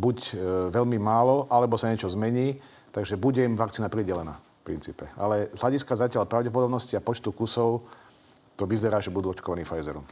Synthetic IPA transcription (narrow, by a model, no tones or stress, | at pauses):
bucʋɛʎmimaːlɔʔalɛbɔsaɲɛt͡ʃɔzmɛɲiː | t̪aɡʒɛbuɟɛimʋak̚t͡siːnapɾiɟɛlɛna̰ːfpɾint͡siːpɛa̰lɛzɦlaɟiskazacɪaʎpɾaʊɟɛp̬ɔd̪ɔbnɔsciapɔt͡ʃt̪ukusɔʊ | t̪ɔʋizɛɾaːʒɛbud̪uːɔt͡ʃkɔʋaniːfajzɛɾɔ̰m